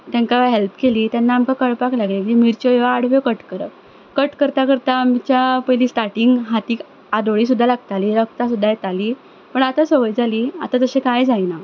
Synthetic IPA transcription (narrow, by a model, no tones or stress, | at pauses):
t̪jãŋkaaɦelpkeliːt̪janːaːmkakəɭpaklaɡlikit̪imiɾt͡ɕɔeʋaːɽ̤ʋɔkəʈkəɾə | kəʈkəɾt̪akəɾt̪aːmt͡ɕjapəjliːsʈaʈiŋɡɦat̪iːk | ad̪oɭiːs̬ud̪ʱːalaɡt̪aliːɾəkt̪as̬ud̪ʱːajet̪aliː | pəɳat̪asəɡəjd͡zʱaliːa̰t̪at̪əɕẽkajd͡zajna